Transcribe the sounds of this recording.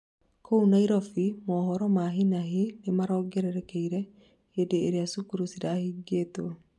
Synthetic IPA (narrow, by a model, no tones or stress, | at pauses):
kʰounaiɾɔfimɔːhɔɾɔmaɦinaɦinemaɾɔɡɛɾɛɾɛkɛiɾɛ | hedeːɾeasukuɾusiɾahiɡeːto